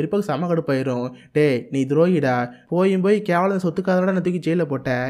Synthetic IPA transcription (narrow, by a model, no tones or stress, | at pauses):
ɾɪpːaːkɯsɐmːaːkɐɽɯpːaːjɪɾʊ̃ʈeːniːd̪ɪɾoːjɪɽaːpoːjɯmpoːjikeːʋɐɭɐnɐs̬ɔt̪ːɯkːaːðɐnaːɽɐnɐt̪ːɯkːit͡ʃɛjlːɐpoːʈːɛ̃ː